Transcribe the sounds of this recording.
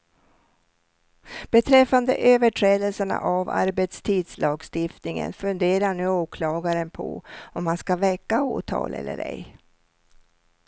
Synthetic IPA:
b̥ɛt̪ʰɾɛfːand̪ə̰ʔøːvəʈʰɾɛːd̪əlsəɳa̰ʔava̰ɾbɛt̪st̪ʰiːd̪slɑːɡst̪ɪft̪nɪŋə̰nfɵnd̪eːɾaɳʉ̟ːoːkʰlɑːɡaɾənpʰɔ̰ɔmːanskavɛkːao̰ːʈʰɑ̰ːlʔɛ̰lːə̰ɾɛ̰j

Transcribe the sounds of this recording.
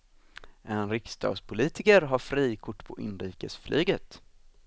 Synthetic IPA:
ʔɛnɾɪkst̪ʰɑ̰ːɡspʰʊliːt̪ɪkəɾɦaɾfɾiːkʰʊʈːpʰɔʔɪnɾiːkəsflʔyːɡət̪

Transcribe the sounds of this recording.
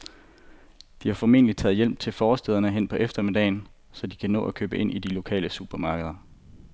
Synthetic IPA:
d̥ihɑ̈fɒme̝̰ːnəli̥t͡sʰɛ̰ːð̩ˠjel̰b̥̚t͡sʰe̝lfɒːsd̥eð̞ˠɐnəɦen̰pʰɒ̽ʔefd̥ɐme̝d̥ɛɪn | sɒ̽d̥ikʰænɔ̰̽ːʔækʰø̰ːbəʔe̝n̰ʔid̥ilo̝kʰɛ̰ːləsub̥ɐmɑ̈ːɡ̥əð̞ˠɐ

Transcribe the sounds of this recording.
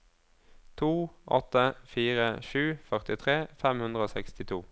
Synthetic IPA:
t̪ʰuːʔɔt̪əfiːʁəʃʉːfœʁt̪ɪt̪ʰʁeːfɛmhʉnd̪ʁəoːsɛkst̪ɪt̪ʰṵː

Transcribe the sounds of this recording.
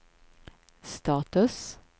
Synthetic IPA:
st̪ɑːt̪ʉs

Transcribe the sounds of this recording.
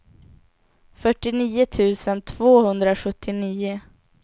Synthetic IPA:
fœʈːɪniːʊt̪ʰʉ̟ːsənt̪ʰv̥oːhɵnd̪ɾaɧɵt̪ʰːɪniːʊ

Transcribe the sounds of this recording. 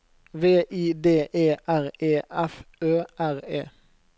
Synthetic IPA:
ʋeːʔiːd̪eːʔeːʔæʁeːʔɛføːʔæʁeː

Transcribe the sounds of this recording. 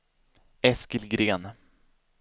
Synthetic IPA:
ɛskəlɡɾeːn

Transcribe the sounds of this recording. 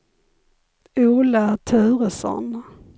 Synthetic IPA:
uːlət̪ʰʉ̟ːɾəsɔ̰n

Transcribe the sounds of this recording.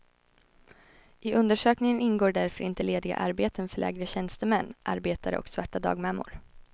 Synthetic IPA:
ʔɪʔɵnd̪əʂøːknɪŋənɪnɡoːɖæɾfœɾʔɪnt̪əleːd̪ɪɡa̰ʔaɾbeːt̪ənfœɭʔɛ̰ːɡɾəɕɛnst̪əmɛnːʔa̰ɾbeːt̪aɾə̰ɔ̰ksvaʈːad̪ɑ̰ːɡmɛmːʊ̰ɾ

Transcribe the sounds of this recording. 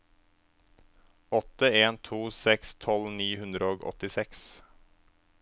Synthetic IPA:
ɔt̪əeːnt̪ʰuːsɛkst̪ʰɔlniːhʉnd̪ɾəoːɡɔ̰t̪ɪsɛks

